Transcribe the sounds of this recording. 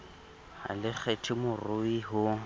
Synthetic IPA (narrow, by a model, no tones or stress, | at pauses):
ha̰lɪk͡xʰetʰɪmʊrʊiɦʊ